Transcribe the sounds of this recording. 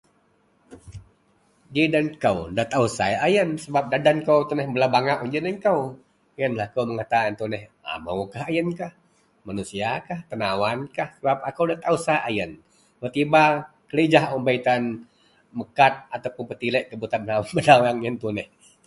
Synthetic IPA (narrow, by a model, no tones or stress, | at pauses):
d͡ʒidankəwdat̪ausa̰jajənsəbap̚dadankəwt̪unɛhbəlabaŋaʔuɲd͡ʒənəŋkəw | jənlahkəwməŋat̪ant̪unɛha̰ma̰wkahajənkah | manusiakaht̪ənawankahsəbap̚akəwdat̪ausajʔajən | bət̪iba | kəled͡ʒaɦɔmbait̪an | məkat̪̚at̪awpʊnpət̪ilɛʔkəbut̪anbənawanbənawaŋjənt̪unɛh